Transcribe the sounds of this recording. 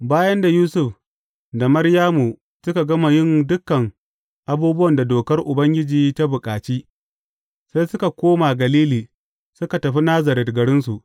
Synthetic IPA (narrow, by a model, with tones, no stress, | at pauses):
baː˦jɐ˦nda˨juː˦sʊ˦ɸ | da˨mɐ˦rjaː˦mu˨ | sʊ˦ka˨ɡɐ˦ma˨jɪ˦ndʊ˦kːɐ˨ŋ | ʔa˦buː˦bʊ˦wɐ˨nda˨doː˨kɐ˦rʔʊ˨bɐ˦ŋɡʲɪ˦d͡ʒiː˨ta˦bʊ˨kʼaː˨t͡ʃiː˦ | sa˦jsʊ˦ka˨kʷoː˦ma˨ɡɐ˨liː˦liː˨ | sʊ˦ka˨tɐ˨ɸi˦naː˦zɐ˨ɾɪ˨dɡɐ˨ɽɪ˦nsu˨ʔ